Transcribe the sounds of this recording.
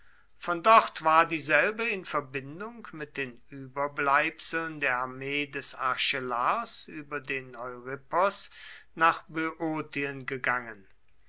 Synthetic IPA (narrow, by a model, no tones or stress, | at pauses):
fɔndɔχtv̥aːɐdiːzɛlbəɪnfɛɐbɪndʊŋkmɪt̚d̥eːnʔyːbɐblaɪpsl̩ndeːɐaɐmeːdɛsaɐʃɛlasʔyːbɐdeːnɔʏʁɪpɔsnaːχbøʔoːtiənɡəɡaŋən